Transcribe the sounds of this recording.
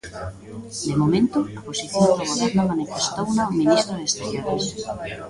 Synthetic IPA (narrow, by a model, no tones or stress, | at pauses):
d̪emomẽnt̪ʊaposiθjonðoɣoβɛɾnʊmanifest̪ownaominist̪ɾoðest̪eɾjoɾes